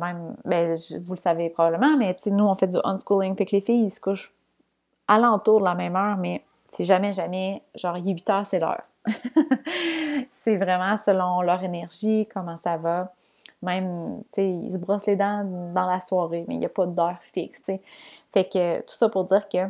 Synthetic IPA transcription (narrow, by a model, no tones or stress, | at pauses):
mɛ̃ɪ̃mbɛ̃ʒvulsavepχɔbabləmɑ̃mɛt͡senuɔ̃fɛd̪yʔɔ̰nskulɪ̃ŋfɛklefɪjisə̥kʊʃ | alɑ̃t̪uːʁd̪əlamɛ̃mœːʁmɛ | seʒamɛʒamɛʒɑ̃ːʁjɛɥit̪œːʁsɛlœ̰ːʁ | sɛvʁɛmɑ̃səlɔ̃lœʁenɛʁʒikɔmɑ̃sava | mɛ̃ɪ̃mt͡seḭsbʁɔsled̪ɑ̃d̪ɑ̃laswɑːʁemɛ̰japʌd̪œːʁfɪkst͡sefɛkət̪u̥sʌpʊʁd̪ziːʁkʲə